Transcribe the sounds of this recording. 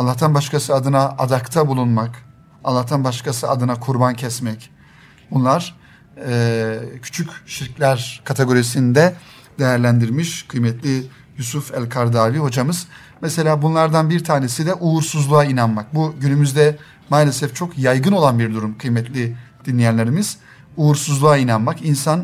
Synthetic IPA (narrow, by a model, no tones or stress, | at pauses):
alˠːaht̪ʰanbaʃkʰasɯad̪ɯnaʔa̰d̪akt̪ʰabulˠunmak | alˠːaht̪ʰanbaʃkʰasɯad̪ɯnakʰuɾbancʰɛsmɛc | bunlˠaɾ̥ | ɛːcʰy̥t͡ʃʰycʃiɾclʲæɾkʰat̪ʰeɡo̞ɾisinind̪ɛ | d̪e̞jæɾlʲænd̪iɾmiʃkʰɯjmɛt̪lʲi | jusufælʲkʰaɾd̪aːviho̞d͡ʒamɯz̥ | mɛse̞lʲaːbunlˠaɾd̪anbiɾt̪ʰaːnesid̪ɛʔuuɾsuzlˠuainanmak̚buɟynymyzd̪ɛ | maːlʲesɛft͡ʃʰo̞kjajɡɯno̞lˠanbiɾd̪uɾumkʰɯjmɛt̪lʲid̪̥inlʲijænlʲeɾimiz̥ | uːuɾsuzlˠuainanmakinsan